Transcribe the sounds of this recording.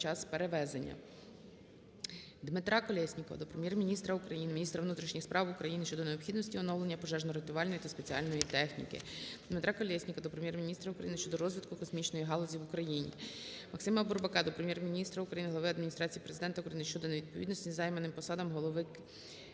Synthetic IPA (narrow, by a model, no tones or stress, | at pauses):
t͡ʃɑspeɾeʋɛzenʲːɐ̰ | d̪mɪt̪ɾɑkɔlʲɛsʲnʲikɔʋɐ̰d̪ɔpɾemʲjɛrmʲinʲist̪ɾɐukɾɐjinɪmʲinʲist̪ɾɐʋnut̪ɾʲiʃnʲixspɾʔɑwʊkɾɐjinɪʃt͡ʃɔd̪ɔneɔpxʲid̪nɔsʲtʲiɔnɔwlˠenʲːɐpɔʒɛʒnɔɾet̪ʊɑlʲnjit̪ɐspe̞t͡sʲiɑlʲnɔjit̪ɛxnʲḭkɪ̰d̪mɪt̪ɾɑkɔlʲɛsʲnʲikɐd̪ɔpɾemjɛrmʲinʲist̪ɾɐukɾɐ̰jinɪʃt͡ʃɔd̪ɔɾɔzʲʋʲit̪kʊkɔsmʲit͡ʃnɔjiɦɑlˠɔzʲiʋukɾɐjinʲḭmɐksɪmɐburbɐkɑd̪ɔpɾemʲjɛrmʲinʲist̪ɾɐʊukɾɐjinɪɦlˠɐʋɪɐd̪mʲinʲist̪ɾɑt͡sʲijipɾe̞zɪd̪ɛnt̪ɐʊukɾɐjinɪʃt͡ʃɔd̪ɔneʋʲid̪̚pɔid̪nɔsʲizɑjmenɪmpɔsɑd̪ɐmɦɔlˠɔʋɪ